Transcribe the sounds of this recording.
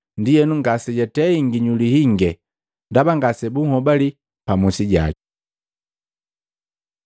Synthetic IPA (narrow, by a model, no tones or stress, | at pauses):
ndijɛnuŋɡasɛɟatɛiŋɡiɲulihiŋɡɛ | ndabaŋɡasɛbuŋhɔbali | pamusiɟa̰kɛ